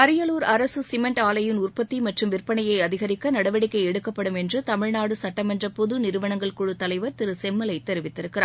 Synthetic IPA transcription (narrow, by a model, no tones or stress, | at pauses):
ɐɾɪjɐluːɾɐɾɐsɯsɪmɐɳʈaːlɐjɪnʊrpɐt̪ːimɐʈrɯmʋɪrpɐɳɐjɐɪɐðɪɣɐɾɪkːɐnɐɽɐʋɐɽɪkːɐɪɛɽɯkːɐpːɐɽɯmɛndrɯt̪ɐmɪɻnaːɽɯsɐʈːɐmɛndrɐpɔðɯnɪɾɯʋɐɳɐŋɡɐɭkɔɻɯt̪ːɐlɐɪʋɐɾt̪ɪɾɯsɛmːɐlɐɪt̪ːɛɾɪʋɪt̪ːɪɾɯkːɪɾaː